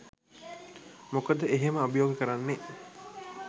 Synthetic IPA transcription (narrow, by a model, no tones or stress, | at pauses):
mokəd̪əeɦeməɐbəjoːɡəkəɾanːe